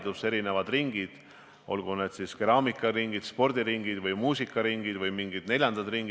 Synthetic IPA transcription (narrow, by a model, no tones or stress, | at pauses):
d̪use̞ɾine̞vɑd̪riŋɡ̥id̪̥ | o̞̰lɡ̥une̞d̪̥siskeɾɑːmikːˑɑɾiŋɡ̥id̪̥spo̞rd̪̥iɾiŋɡid̪̥vɯjmuːsikːˑɑɾiŋɡ̥id̪̥vɯjmiŋɡid̪̥ne̞lʲjɑnd̪̥ɑd̪riŋɡ̥i